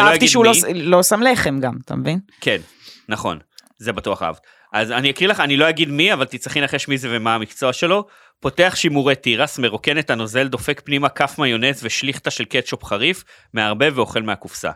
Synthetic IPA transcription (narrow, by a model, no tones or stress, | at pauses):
aojaɡt̪iʃeulolosamleχemɡamt̪a̰mvinke̞nː | aχo̞̰n | ze̞batuaχa̰vt | ʔazaniakʁilaχanilo̞jaɡid̪miavalt̪it͡saχinlaχeʃmize̞vemaːmikt͡so̞aʃe̞lo̞ | po̞te̞aχʃimuʁet̪iʁasmeʁo̞ke̞net̪ano̞ze̞ld̪o̞fe̞kpnimakafmajo̞ne̞zveʃliχt̪aʃe̞lket̪ʃopχaʁif | meaʁbe̞veo̞χe̞lmeakufsa̰